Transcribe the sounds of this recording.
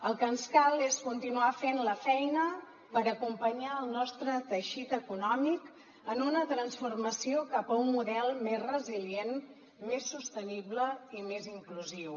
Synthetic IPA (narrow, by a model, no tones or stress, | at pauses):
əlˠkənskalˠeskunt̪inuafenləfɛjnə | pəɾəkumpəɲaəlˠnɔst̪ɾət̪əʃit̪əkunɔmik | ənunət̪ɾənsfurməsiokapəunmuðɛlˠmezrəzilien | mesːust̪ənibləimeziŋkluziw